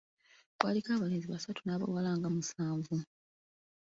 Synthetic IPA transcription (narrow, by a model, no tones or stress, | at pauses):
kwaːlikaːβaleːziβasatunaːβa̰walaːŋɡamusaːɱvu